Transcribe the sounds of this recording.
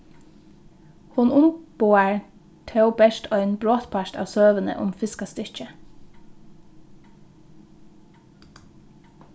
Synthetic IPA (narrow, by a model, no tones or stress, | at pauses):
hʊnʊnb̥oːəɹ | t̪ʰeʊbɛʃtʰœʏnbɾoːt̪pʰæʃʈɑ̰ːʋsøːʋənə̰ʔʊ̰mfɪskɑst̪ʏçə